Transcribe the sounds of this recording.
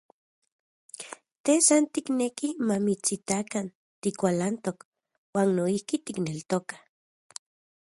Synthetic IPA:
t̪esant̪iknekimamit͡sit̪akan | t̪ikʷalant̪ok | waːnːoihkit̪iknelt̪okḁ

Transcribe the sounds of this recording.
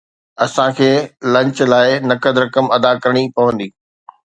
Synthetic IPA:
ɐsãkʰeːlɐ̃ɲt͡ɕlaːɪnɐkəd̪ɾɐkəmɐd̪akɐɾɽ̃ipɐʋə̃nd̪iː

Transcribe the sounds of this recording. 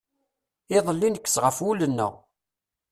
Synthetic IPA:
ɪðˤəlːinəkːə̥sʁəfulənːə̰ʁ

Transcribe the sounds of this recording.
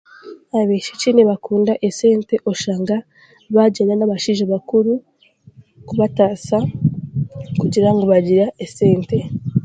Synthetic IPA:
aβeʃeciːneβakuːndaʔeseːnte̞ʔo̞ʃaːŋɡa | βaɟenanaβaʃiʒaβakuɾu | kuβataːsa | kuɟiɾaŋɡoβaɟiɾaʔeseːnte̞

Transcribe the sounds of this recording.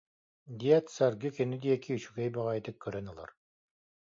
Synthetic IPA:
d̪iat̪saɾɡɯkɛnyd̪iɛkiyt͡ʃyɡɛjbaʁajt̪ɯkʰːœɾœnɯlˠa̰ɾ

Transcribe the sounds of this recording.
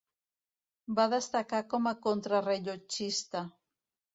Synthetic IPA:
baðest̪akakomakont̪ɾareʎot͡ʃist̪a

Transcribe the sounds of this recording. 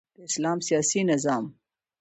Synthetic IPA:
d̪̥əɪslɑmsijɑsinɪzɑːm

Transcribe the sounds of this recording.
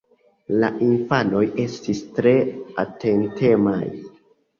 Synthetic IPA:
la̰ʔinfano̞je̞stistɾe̞ate̞ntʰe̞ma̰j

